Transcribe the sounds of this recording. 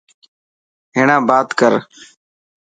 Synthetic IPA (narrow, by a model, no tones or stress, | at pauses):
ɦeːɳãːbaːt̪kəɾ